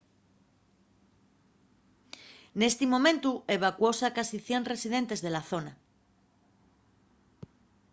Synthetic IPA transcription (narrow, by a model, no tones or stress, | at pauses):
ne̞st̪imõ̞mẽnt̪ue̞β̞akwosakasiθje̞nre̞siðe̞nt̪e̞zðe̞laθo̞na